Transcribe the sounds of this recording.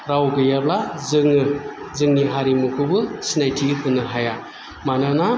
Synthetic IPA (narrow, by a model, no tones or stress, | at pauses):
ɾawɡɯjablazɯŋɯ | zɯŋniɦaɾimukʰɯbɯsinajtʰikʰɯnɯɦaja | manana